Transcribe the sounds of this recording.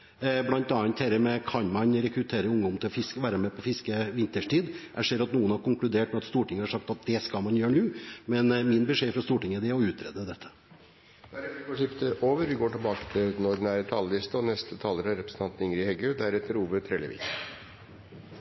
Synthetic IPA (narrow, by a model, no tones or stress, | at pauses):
blɑnt̪ɑːɑnt̪hɛɾəmɛkʰɑnmɑnɾɛkɾʉt̪ʰeːɾəʊŋd̪ɔmt̪ʰɪlɔfɪskəʋæːɾəmɛpʰɔfɪskəʋɪnt̪əʂʈiːd̪ʔæ̰ɪʂeːɾɑt̪nuːənhɑɾkʊŋklʉd̪eːʈmɛɑt̪st̪uːʈɪŋəhɑʂɑkt̪ɑt̪̚d̪ɛskɑlmɑnjøːɳʉːmɛnmɪnbəʂeːfɾɑst̪uːʈɪŋːəd̪ɛæɔʉːt̪ɾɛ̰ːd̪əd̪ɛt̪ʰːə̥ | d̪̥æɾɛɪfoːʂɪft̪əʔoːʋəɾʋɪɡoːʈɪlbɑːkət̪ʰɪld̪ɛnɔɖn̩æɾt̪ʰɑːləlɪst̪əɔnɛst̪ət̪ʰɑːləɾəɑɾɛpɾəsəɑnt̪nɪŋɾɪhɛɡəød̪æɾɛt̪ːəɾuːbət̪ʰɾɛlə̰ʋɪ̰k